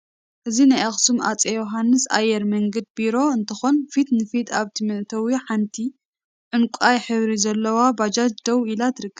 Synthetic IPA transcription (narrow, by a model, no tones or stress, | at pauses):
ʔɨzinajaxsumʔa̰t͡sʼejoɦanːɨsa̰jːɛɾmɐŋɡɐd̪̚biɾo̞ɨnt̪ʰɐxonfit̪nɨfit̪ʰaβt̪ʰimɨʔt̪ʰɐwiħant̪ʰi | ʕɨnkʷʼajħɨβɾizɐlːɐwabad͡ʒat͡ʃd̪ɐwilat̪ʰɨɾɨkːɐβ